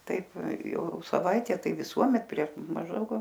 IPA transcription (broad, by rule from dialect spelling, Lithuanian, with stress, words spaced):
ˈtɐɪp ˈjɛʊ sɐˈʋɐɪtʲæː ˈtɐɪ ʋʲɪˈsuɔmʲɛt pʲrʲiɛʃ mɐʒˈdɐʊk